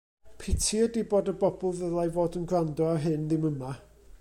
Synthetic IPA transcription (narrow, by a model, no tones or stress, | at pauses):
pʰɪtʰiədibodəbɔbɔlˠðəlˠajvoːdənɡrandɔaɦɨnðɪməma